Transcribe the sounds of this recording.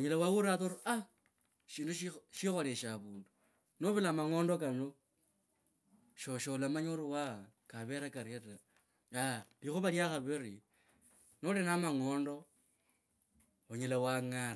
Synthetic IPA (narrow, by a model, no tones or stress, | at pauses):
oɲelawawuɾaθoɾua | ʃiːnduʃiʃixoleʃaβuːndu | noβilamaŋoːndokano | ʃoʃolamaɲoɾuwa | kaβeɾakaɾiata | alixuβaljaxaβeɾi | nolenamaŋoːndo | oɲelawaŋana